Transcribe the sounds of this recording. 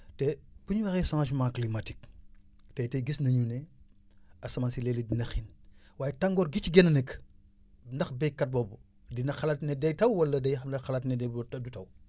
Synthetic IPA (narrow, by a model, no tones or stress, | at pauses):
tɛbuɲuwɐxɛsãʃmãːklimɐtik̚ | tɛtɛɡisnɐɲunɛ | ɐsɐmansilɛːlidinɐxinwaːjɛtɐŋɡɔːrɡit͡ʃiɡɛnɐnɛk | ndɐxbɛjkːɐt̚bɔbu | dinɐxɐlɐtnɛdɐjtɐwwɐlːɐdɐjɐmnɐxɐlɐtnɛdɛdutɐw